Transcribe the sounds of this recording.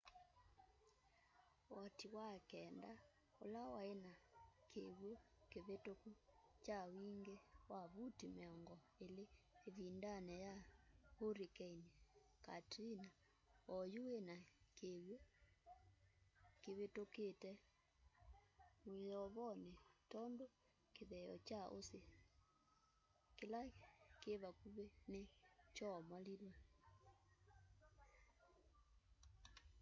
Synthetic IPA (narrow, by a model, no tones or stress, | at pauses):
wɔtiwakɛnda | o̰lawaenakʰeɣwo | keβetokut͡ʃawiŋɡewaβutimeɔŋɡɔ | eleːðindanɛjahoɾikɛineka̰tina | ɔjuwenakeβwe | keβetoketɛ | mojɔβɔnetɔndo | keðɛɔ̰t͡ʃaʔo̰se | kelakeβakuβenet͡ʃɔmaliɾwa